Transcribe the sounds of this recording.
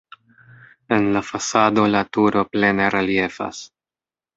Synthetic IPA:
e̞nlafasado̞latuɾo̞ple̞ne̞ɾelie̞fa̰s

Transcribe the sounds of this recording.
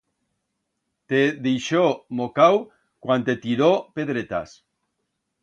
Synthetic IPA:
t̪eðejʃomokaw | kwant̪et̪iɾopeðɾet̪a̰s

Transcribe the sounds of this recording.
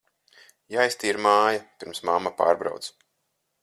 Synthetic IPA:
jajst̪iɾmaːjapʲiɾmsmamːapa̰ːɾbɾa̰wt̪s

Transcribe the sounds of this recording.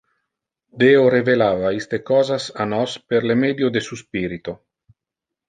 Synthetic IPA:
d̪eoɾevelaːvaist̪ekɔːzasanɔspeɾlemed̪jod̪esuspiːɾit̪o

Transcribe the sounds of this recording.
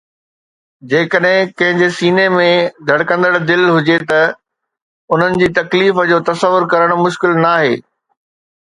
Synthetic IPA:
d͡ʑeːkəɗɦɪ̃kɐ̃ɦɪ̃ɲd͡ʑesiːnemẽd̪ʱɐɽkə̃nd̪əɽd̪ɪlɦʊd͡ʑet̪ɐ | ʊn̤ənɪ̆d͡ʑiːt̪ɐkliːfəd͡ʑoːt̪ɐsəʋːʊɾkɐɾəɽ̃mʊʃkɪlnaːɦeː

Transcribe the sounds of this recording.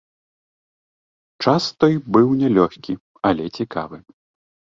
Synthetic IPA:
t͡ʂast̪ɔjbɨwnʲɛlʲɔxʲkʲi | ɐlʲɛt͡sʲika̰vɨ

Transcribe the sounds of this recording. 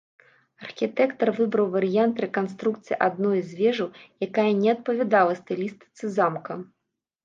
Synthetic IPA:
ɐrxʲit̪ɛkt̪ɐrvɨbɾɐwvɐɾɨjant̪ɾɛkanst̪ɾukt̪sɨjiʔad̪̚nɔjzʲvʲɛʐɐwjakajɐnʲɛɐt̪̚pɐvʲad̪alˠɐst̪ɛlʲist̪ɨ̥t̪sɨzamkɐ

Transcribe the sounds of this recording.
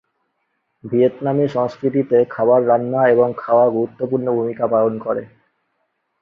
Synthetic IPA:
bʱiet̪namiʃɔŋskɾit̪̬it̪ekʰabaɾːanːaeboŋkʰaoaɡuɾut̪ːopuɾnobʱumikapalonkoɾe

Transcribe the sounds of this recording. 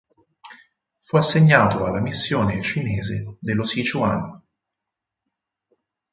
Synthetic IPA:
fuasːeɲːaːt̪oalːamisːjoːnet͡ʃineːzed̪elːosit͡ʃua̰nː

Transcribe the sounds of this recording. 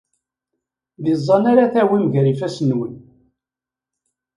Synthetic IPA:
ðizˤːɑnaɾaθæwimʝɾifæsənwən

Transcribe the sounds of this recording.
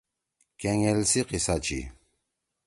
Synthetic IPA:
kʰɛŋɛlsiqisat͡ʃʰḭ

